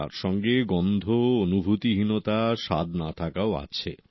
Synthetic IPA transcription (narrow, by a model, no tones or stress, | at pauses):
a̰ɾʃɔŋɡeɡɔnd̪ʱoonubʱut̪iɦinot̪aʃa̰d̪nat̪ʰakaoa̰t͡ɕʰḛ